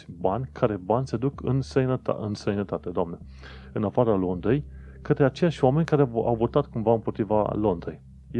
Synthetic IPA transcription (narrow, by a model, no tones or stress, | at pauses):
banʲkʰaɾe̞banʲsed̪ukɨ̰nst̪ejnət̪ɨ̰nst̪ɾejnət̪at̪e̞d̪oamne̞ | ɨnafaɾəlo̞nd̪ɾej | kət̪ɾeat͡ʃejaʃʲoame̞nʲkaɾea̰wvo̞t̪at̪kumvaɨnpot̪ɾiva̰lo̞nd̪ɾej